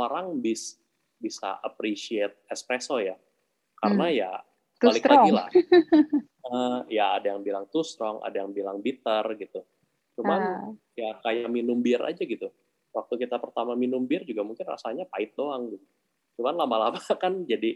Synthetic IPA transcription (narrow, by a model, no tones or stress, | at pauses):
oɾaŋbɪs | bisa̰ʔapɾisiet̪̚ɛspɾesɔja | kaɾənaja | t̪alɪklaɡila̰h | əjaːdajaŋbilaŋt̪ust̪ɾɔŋʔa̰dajaŋbilaŋbit̪ərɡit̪u | t͡ʃumanjakajaʔminumbɪɾa̰d͡ʒaɡit̪u | wak̚t̪ukit̪apərt̪amaminumbɪrd͡ʒuɡamuŋkɪnra̰saɲapaɪt̪̚doaŋɡit̪ | t͡ʃumanlamalamakand͡ʒadi